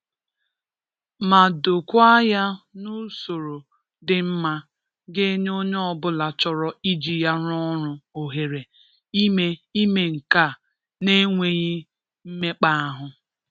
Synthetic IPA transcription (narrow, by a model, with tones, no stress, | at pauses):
ma˨do˨kʷa˦ja˦nu˦so˨ɾo˨ | dɪ˨m̩˦ma˦ | ɡe˦ɲo˦ɲe˦ɔ˦bʊ˦la˨t͡ʃɔ˨ɾɔ˦i˦d͡ʒi˨ja˦ɾɔ˦ɾʊ˦o˨ɦe˨ɾe˨˦ | e˦i˦me˨ŋ̩˨ka˦˨ | ne˦ŋʷe˨ɣɲi˦ | m̩˦me˦k͡pa˦a˦ɦʊ˦